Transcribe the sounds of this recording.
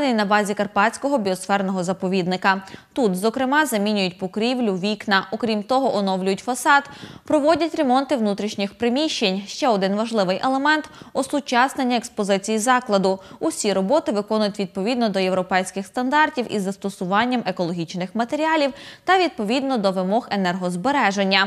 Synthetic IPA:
nɪjnɐbɑzʲikɐrpɑt͡sʲkɔɦɔbʲiɔsfɛrnɔɦɔzɐpɔʋʲid̪nɪkɐt̪ut̪zɔkɾɪmɑzɐmʲinʲʊjʊtʲpɔkɾʲiwlʲʊʋʲiknɐʔɔkɾʲimt̪ɔɦɔʔɔnɔwlʲʊjʊtʲfɐsɑt̪pɾɔʋɔdʲɐtʲɾe̞mɔnt̪ɪʋnut̪ɾʲiʃnʲɪxpɾɪmʲiʃt͡ʃenʲʃt͡ʃɛɔd̪ɪnʋɐʒlˠɪʋɪjʔelˠemɛnt̪ɔsʊt͡ʃɑsnenʲːɐekspɔzɪt͡sʲijizɑklˠɐd̪ʊʊsʲiɾɔbɔt̪ɪʋɪkɔnʊjʊtʲʋʲid̪̚pɔʋʲid̪nɔd̪ɔjewɾɔpɛjsʲkɪxst̪ɐnd̪ɑrtʲiwʔizːɐst̪ɔsʊʋɑnʲːɐmʔe̞kɔlˠɔɦʲit͡ʃnɪxmɐt̪e̞ɾʲiɑlʲiwt̪ɐʋʲid̪̚pɔʋʲid̪nɔd̪ɔʋɪmɔɦenɛrɦɔzbeɾɛʒenʲːɐ

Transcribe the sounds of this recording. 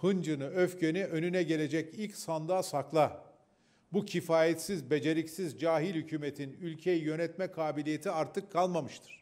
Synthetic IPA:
hɯnd͡ʒɯnɯøfcʰenɛʔø̞nynɛɟe̞lʲe̞d͡ʒɛcilʲcsand̪aːsaklˠa | bucʰifaːjɛt̪sizbe̞d͡ʒe̞ɾicsizd͡ʒaːɦilʲhycʰyːme̞t̪ʰinylʲcʰejijø̞nɛt̪mɛkʰaːbilʲije̞t̪ʰiaɾt̪ʰɯkʰːalˠmamɯʃt̪ʰɯ̥ɾ̥

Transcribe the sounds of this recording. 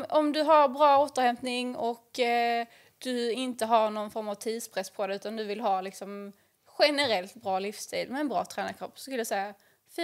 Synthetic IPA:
ɔmd̪ɵɦaɾbɾɑːoːt̪əɾhɛmpnɪŋɔk | d̪̥ɵɪnt̪əɦaɾnɔnfɔɾmavt̪ʰiːd̪spʰɾɛspʰɔd̪ɛʉ̟ːt̪and̪ɵvɪlɦɑːlɪksɔm | ɧɛnəɾɛlt̪bɾɑːlɪfst̪ʰḭːlmɛːnbɾɑ̰ːt̪ʰɾæːnakʰɾɔpːsɔskɵljasɛjːa | fiː

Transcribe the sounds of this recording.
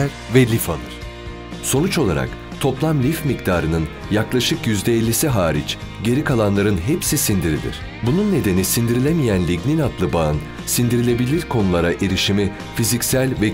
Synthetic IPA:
ɾ | vɛlʲifa̰lˠɯɾ̥ | so̞nut͡ʃo̞lˠa̰ɾa̰k | t̪ʰo̞plˠamlʲifmikd̪ʰaːɾɯnɯn | jaklˠaʃɯkjyzd̪ɛɛlʲːisiɦaːɾit͡ʃ | ɟe̞ɾikʰalˠanlˠaɾɯnɦepsisind̪iɾḭlʲḭɾ̥ | bununːe̞d̪e̞nisind̪iɾilʲemijænlʲiɟninat̪lˠɯbaɯn | sind̪iɾilʲe̞bilʲiɾkʰo̞nulˠaɾaʔeɾiʃimi | fizicsælʲvɛ

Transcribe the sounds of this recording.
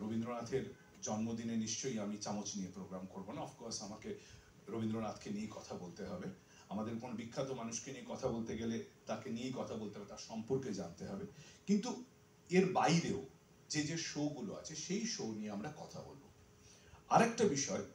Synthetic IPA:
ɾobind̪ɾonat̪ʰeɾ | d͡ʑɔnmod̪ineniʃt͡ɕojamit͡ɕamot͡ɕnijepɾoɡɾamkoɾbonaɔfkɔɾsamake | ɾobʱind̪ɾonat̪ʰkeniekɔt̪ʰabolt̪eɦɔbe | amad̪eɾkonobikʰːat̪omanuʃkeniekɔt̪ʰabolt̪eɡelet̪akeniejkɔt̪ʰabolt̪eɦɔbet̪aɾʃɔmpoɾked͡ʑant̪eɦɔbekint̪u | eɾbajɾeo | d͡ʑed͡ʑeʃoɡulo̰a̰t͡ɕʰeʃejʃonijeamɾakɔt̪ʰabo̰lbo̰ | aɾɛk̚ʈabiʃɔe

